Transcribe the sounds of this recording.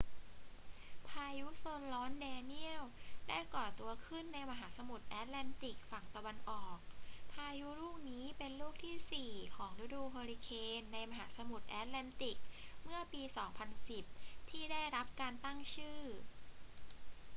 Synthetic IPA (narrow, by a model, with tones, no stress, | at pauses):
pʰaː˧ju˦˥soː˧nlɔː˦˥ndɛː˧ni˥˩əwda̰˦˥˩kɔː˨˩t̪u˧ɐkʰɯ˥˩nːa˧jma˧ɦaː˩˦sa˧mu˨˩t̪̚ʔɛː˦˥t̪̚lɛ˧˥nt̪i˨˩k̚fa˨˩ŋt̪a˧wa˧nʔɔː˨˩k̚pʰaː˧ju˦˥ɾuː˥˩k̚niː˦˥pe˧nluː˥˩k̚t̪ʰiː˥˩siː˨˩kʰɔː˩˦ŋɾa˦˥duː˧pʰoː˧ɾi˧kʰeː˧nːa˧jma˧ɦaː˩˦sa˧mu˨˩t̪̚ʔɛː˦˥t̪̚lɛː˧˥nt̪i˨˩k̚mɯ˥˩ɐpiː˧sɔː˩˦ŋpʰa˧nsi˨˩p̚t̪ʰiː˥˩da˥˩jɾa˦˥p̚kaː˧nt̪a˥˩ŋt͡ɕʰɯː˥˩